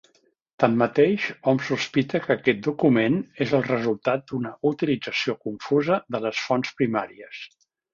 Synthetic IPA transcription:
t̪amːət̪eʃɔmsuspit̪əkəːkɛt̪̚d̪ukumenezəlˠrəzulˠt̪at̪̚d̪unəʔut̪ilid͡zəsiokuɱfuzəðələsfɔnspɾimaɾiəs

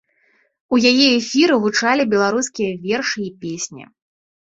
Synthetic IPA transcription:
ujajɛɛfʲiɾɨɣut͡ʂalʲibʲɛlˠaɾuskʲijɐvʲɛrʂɨipʲesʲnʲḭ

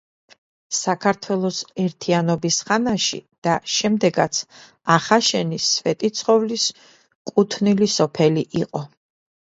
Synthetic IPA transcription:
sakʰaɾt̪ʰwɛlˠɔsɛɾt̪ʰianɔbisχanaʃḭd̪̥aʃɛmd̪ɛɡat̪sʰ | aχaʃɛnisvɛt̪ʼit̪sʰχɔvlis | kʼut̪ʰnilisɔpʰɛliʔiqʼɔ

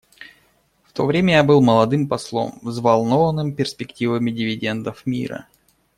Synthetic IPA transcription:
ft̪o̞vɾʲemʲəjabɨlˠməlˠɐd̪ɨmpɐslˠo̞̰mzvɐlˠnovənːɨmpʲɪrspʲɪktʲivəmʲɪdʲɪvʲɪdʲe̞nd̪əfmʲḭɾə̰

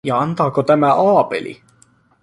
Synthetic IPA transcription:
jɑɑnt̪ɑːkot̪æmæʔɑːpḛlʔḭ

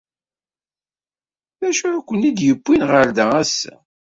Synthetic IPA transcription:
ðæʃuækʷːənid̪jəbːinʁəɾd̪ææsæ̰

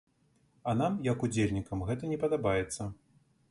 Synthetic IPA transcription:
ɐnamjɐkud͡zʲelʲnʲikɐmɣɛt̪ɐnʲɛpɐd̪abajɛt̪sːɐ

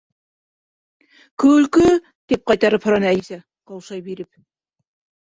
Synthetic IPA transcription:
kɵ̆ɵ̆lkɵ | t̪ip̚qɑjt̪ɑɾɤphŏɾɑnæsæ | qɤwˠʃɑjbiɾɘp̚

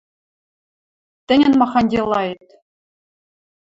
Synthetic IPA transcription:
t̪ʲɘ̆nʲɘ̆nmɑχɑnʲdʲelˠːɑjɤt̪ʲ

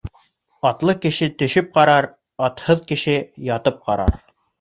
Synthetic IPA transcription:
ɑt̪lˠɤkɘ̆ʃɘt̪ɵ̆ʃɘp̚qɑɾɑɾ | ɑt̪hɤðkɘ̆ʃɘjɑt̪ɤp̚qɑɾɑ̰ɾ

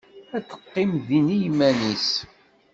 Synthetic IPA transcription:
æt͡sːə̥qːɪmðinijmænis

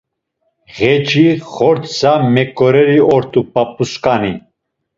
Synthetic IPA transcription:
ʁɛt͡ʃʼiχɔɾt̪samɛkʼɔɾɛɾiɔɾt̪ʼupap̚ʼuskʼani

